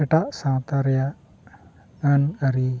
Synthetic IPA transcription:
eʈaʔsãt̪aɾjaʔ | anɡaɾi

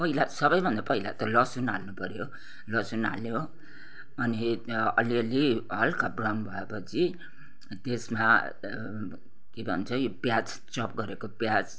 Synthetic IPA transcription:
pʌɦilasʌbʌjbʱʌnd̪apʌɦilat̪ʌlʌsunalnupʌɾjo | lʌsuna̰lo | ʌniʌ̰liʌliɦʌlkabrawnbʱʌepʌt͡sʰi | t̪esma | kebʱʌ̰nt͡sʰʌjopjad͡z | t͡sʌp̚ɡʌɾekopjad͡z

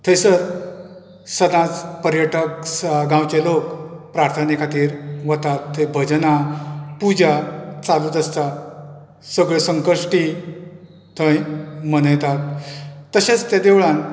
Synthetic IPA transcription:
t̪ʰesəɾ | səd̪ãt͡spəɾjəʈəksɡãwt͡ɕelokpɾaɾt̪ʰənekʰat̪iːɾʋət̪at̪ʰːebʱəd͡ʑnapud͡ʑat͡saluːt̪əst̪a | səɡɭesəŋkəɾʂʈi | t̪ʰə̃jmənəjt̪at̪ːəɕet͡st̪jad̪eʋɭãn

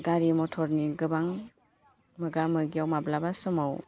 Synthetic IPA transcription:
ɡaɾimɔtʰɔɾniɡɯbaŋ | mɯɡamɯɡiawmablabasɔmaw

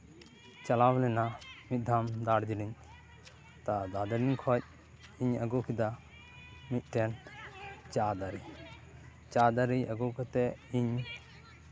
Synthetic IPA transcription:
t͡ʃalawlɛnamit̪̚ˀd̪ʱamd̪aɽd͡ʒiliɲ | t̪ad̪ad̪aɾinkʰɔc̚ | iɲəɡɔkʰid̪a | mit̪̚ˀʈɛn | t͡ʃad̪aɾi | t͡ʃad̪aɾiəɡɔkat̪ɛiɲ

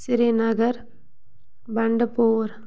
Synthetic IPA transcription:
sɪɾenɐɣɐɾ | bɐɳɖɐpoːɾ

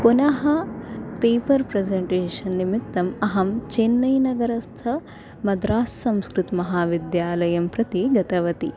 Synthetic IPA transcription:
punɐɦɐpeːpɐɾpɾezeɳʈeːʂɐnːimit̪ːɐmɐɦɐmt͡ʃenːɐjnɐɡɐɾɐst̪ʰɐ | mɐd̪ɾaːssɐmskɾut̪mɐɦaːʋid̪jaːlɐjɐmpɾɐt̪iɡɐt̪ɐʋɐt̪i

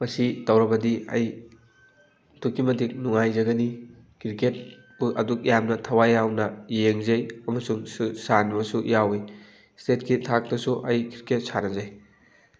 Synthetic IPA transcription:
mɐsidɐwɾɐbɐdiɐ̰j | dukːimɐdik̚nuŋajzɐɡɐni | kɾiket̚ | uʔɐduk̚jamnɐtʰɐwajawnɐjeŋzɐjɐmɐsuŋsanbɐsujawij | stet̚kitʰak̚tɐsuʔɐjkiɾket̚saɾɐzɐj

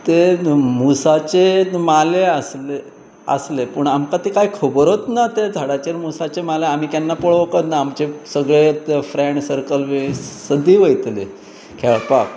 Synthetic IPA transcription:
t̪emusat͡ɕemaleəsle | ə̰slepəɳamkat̪ekajkʰəbɾot̪nat̪ed͡zʱaɽat͡ɕeɾmusat͡ɕemaleam̤iːk̪janːapəɭʋkət̪naamt͡ɕesəɡɭefɾeɳʈsəɾkəlʋesəd̪iːʋəjt̪lḛ | kʰeɭpak

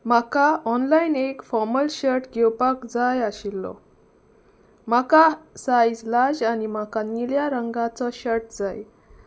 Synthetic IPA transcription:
makaɔnlainekfɔɾməlɕəɾʈɡʱɛwpakd͡zajaɕilːɔ̰ | m̤akasajd͡zlad͡ʑanim̤akaniljaɾəŋɡãt͡sɔɕəɾʈd͡zaj

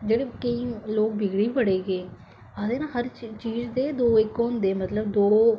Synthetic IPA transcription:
d͡ʒeːɽeːkəiːloːk̚bɪɡɽiːpəɽeːɡeː | aːd̪eːnãːɦəɾt͡ʃiːzd̪eːd̪oːɪkõnd̪eːmət̪ləbd̪oːɽoː

